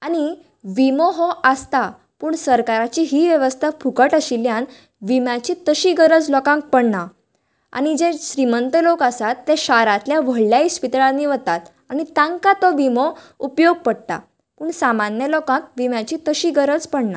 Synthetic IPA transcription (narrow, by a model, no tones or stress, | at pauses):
aɽ̃i | ʋimɔɦɔʔəst̪a | puːɳsəɾkaɾat͡ɕiɦiːʋjəʋəst̪ʰapʰukəʈəɕiljan | ʋimjat͡ɕit̪əɕiɡəɾəd͡zlɔkãŋk̚pəɳna | a̰ñid͡ʑeɕɾimənt̪əlokəsat̪ːeɕaɾãt̪ljaʋəɭljaispit̪ɭãnːiːʋət̪at̪ | añit̪ãŋkat̪ɔʋimɔ | upjoɡ̚pəɽt̪a̰ | puːɳsamanjəlɔkãk̚ʋimjat͡ɕit̪əɕiɡəɾəd͡zpəɽna